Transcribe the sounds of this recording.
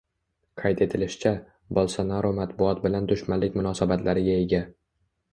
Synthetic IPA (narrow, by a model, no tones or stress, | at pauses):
qʰɑjt̪ʰe̞t̪ʰɪlɪʃɪt͡ʃʰa | bɒlˠsanaɾomat̪bʊɒt̪bɪland̪ʊʃmanlɪk̚ʲmʊnɒsabat̪ʰlaɾɪɡʲae̞ɡʲa